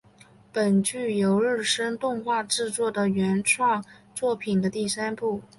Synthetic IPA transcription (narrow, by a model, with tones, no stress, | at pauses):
pə˨˩nt͡ɕy˥˩jo˧˥ʊɻɻ̩˥˩ʂə˥ŋt̪ʊ˥˧ŋxwa˥˧ʈ͡ʂɻ̩˥˧t͡swɔ˥˩d̪ə˩ɥɛ˧˥nʈ͡ʂʰwɑ˥˧ŋt͡swɔ˥˩pʰi˨˩nd̪ə˦t̪i˥˩sa˥npu˥˩